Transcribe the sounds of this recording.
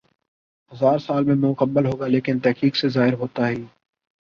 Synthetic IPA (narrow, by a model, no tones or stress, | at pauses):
ɦəzaːɾsaːlmẽmʊ̃kəmːəlɦoːɡaːleːkɪnt̪ɛɦkiːksezaːɦɪɾɦoːt̪aːɦiː